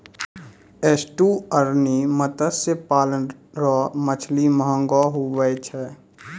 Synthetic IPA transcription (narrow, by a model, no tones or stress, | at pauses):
eːsʈuəɾnimət̪əsepaːlənɾɔːmət͡ʃʰliməɦə̃ŋɡɔɦuʋəjt͡ʃʰɛː